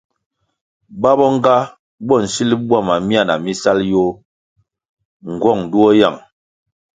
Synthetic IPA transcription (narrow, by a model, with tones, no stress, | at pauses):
ba˦bɔ˦ŋ˦ɡa˦ | bɔ˦˨n̩˨si˦li˦bwa˦˨ma˨mi˦a˦˨na˨mi˦sa˦ljo˦ | ŋ˨ɡwɔ˦˨ŋdu˦ɔ˦ja˦˨ŋ